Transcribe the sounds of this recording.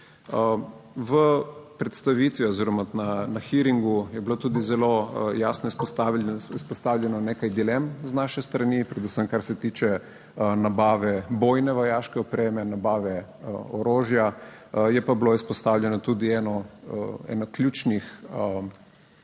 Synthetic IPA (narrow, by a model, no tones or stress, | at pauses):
ʋəpɾɛt̪st̪aʋit̪ʋiɔziɾɔmananaxiɾiŋɡujɛblot̪uːd̪izɛlojaːsnɔispɔst̪aispɔst̪aːwlʲjɛnɔneːkajd̪ilɛmznaʃɛst̪ɾɐnipɾɛd̪usəmkaɾsɛt̪iːt͡ʃɛ | nabaːʋɛbojnɛʋɔjaːʃkɛɔpɾeːmɛnabaːʋɛ | oɾoːʒjajɛpabloispɔst̪aːwlʲjɛnɔt̪uːd̪iɛnɔ | ɛ̰naklʲut͡ʃnix